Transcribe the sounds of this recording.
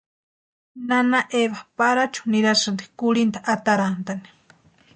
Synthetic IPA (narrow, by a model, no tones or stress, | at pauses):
nanaʔeβapaɾat͡ʃu̥niɾaʃand̪i̥kʊlint̪aʔat̪aɾant̪ani̥